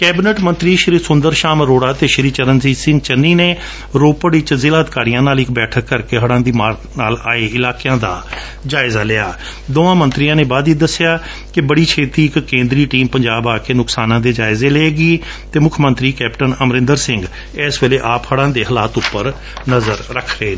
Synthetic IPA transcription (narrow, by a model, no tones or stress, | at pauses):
kɛːbɪneʈmənt̪ɾiːʃɪɾiːsʊnd̪əɾʃaːmɾoːɽaːt̪eːʃɪɾiːt͡ʃəɾənsiːsɪ̃ŋɡ̚t͡ʃənːiːneː | ɾoːpəɽɪt͡ʃzɪːlaːəd̪ɪkaːɾijãːnaːlɪkbɛːʈʰəkːəɾkeːɦəɽãːd̪iːmaːɾ | naːlaːeːɪlaːkejãːd̪aː | d͡ʒaːɪzaːlɪaː | d̪oːãːmənt̪ɾijãːnẽːbaːd̪iːd̪əsːɪjaː | kɪbəɽiːt͡ʃʰeːt̪iːɪkːẽːnd̪ɾiːʈiːmpəɲd͡ʒaːbaːkeːnʊksaːnãːd̪eːd͡ʒaːɪzeːleːɡiː | t̪eːmʊkʰmə̃nt̪ɾiːkɛːpʈənəmɾɪ̃nd̪əɾsɪ̃ŋɡ | ɛːsʋeːleːʔaːphəɽãːd̪eːɦəlaːt̪ʊpːəɾ | nəzəɾɾəkʰɾeː